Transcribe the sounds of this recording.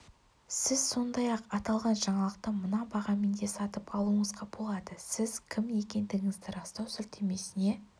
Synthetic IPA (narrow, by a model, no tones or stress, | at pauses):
sɪzso̞nd̪ɑjɑqɑt̪ɑlˠʁɑnʒɑɴɑlˠəq̚t̪əmənɑbɑʁɑmend̪e̞sɑt̪əpɑlˠuəɴəzʁɑbolˠɑd̪əsɪzkʲʰɪmje̞kʲe̞nd̪ɪɡʲɪŋɪzd̪ɪɾɑst̪ɑwsʏɾt̪ʰe̞me̞sɪne̞